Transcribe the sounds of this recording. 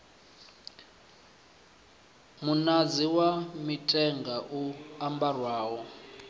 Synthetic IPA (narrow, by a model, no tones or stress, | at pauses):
munad͡ziwamitʰʼɛŋɡaʔuambarwaːwɔ